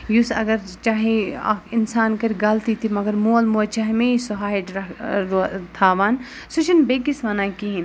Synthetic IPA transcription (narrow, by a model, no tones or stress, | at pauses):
jusɐ̰ɡɐɾt͡ʃaːɦea̰kinsaːnkɐɾiɡɐlt̪it̪ʰimɐɡɐɾmuɐlmuɐt͡ʃaːɦimeisuɦaːiʈɾɐɾt̪ʰaːʋaːn | sut͡ʃʰinbeːkisʋɐnaːkiɦĩn